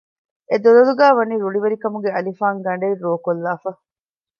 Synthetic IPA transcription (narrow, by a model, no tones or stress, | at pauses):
ed̪olɐluɡæːʋɐniːɾuɭiʋeɾikɐmuɡeɐlifaːŋɡɐɳɖeirːoːkolːaːfɐ